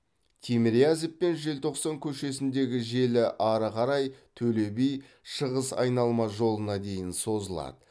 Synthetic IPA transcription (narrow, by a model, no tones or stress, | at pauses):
t̪ʲʰemɾiazepːe̞nʒelt̪ʰo̞qsɑŋkʲʰɵʃe̞sɪnd̪e̞ɡʲɪʒe̞lɪʔɑɾəqʰɑɾɑjt̪ʰɵle̞bej | ʃəʁəsɑ̰jnɑlˠmɑʒo̞lˠənɑd̪e̞jɪnso̞zəlˠɑ̰d̪ə